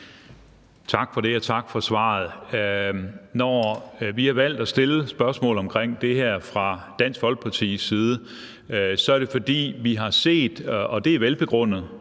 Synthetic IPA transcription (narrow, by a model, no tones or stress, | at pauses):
t͡sʰɑ̈ɡ̥fɒ̽ɾe̝æt͡sʰɑ̈ɡ̥fɒ̽sʋɑ̰̈ð̩ˠ | nɒʋihɑ̈ʋæl̰d̥æsd̥e̝ləsb̥ɶɐsmɔ̰̽ːlɒ̽mkʰʁeŋ̰d̥e̝ɦæɐ̰fʁɑ̈d̥æn̰sɡ̥ʋɒ̽lɡ̥̚pʰɑ̈t͡sʰḭːsiːð̞ˠə | sɒ̽æɐɾ̥e̝fɒ̽d̥ḭːʋiɦɑ̈se̝̰ːd̥ɒ̽d̥e̝æɐʋelb̥e̝ɡ̥ʁɔ̽n̰ð̩ˠ